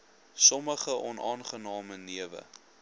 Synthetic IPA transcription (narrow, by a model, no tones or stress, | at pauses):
sɔməχəʔɔnɑːnχənɑːməniəvə̰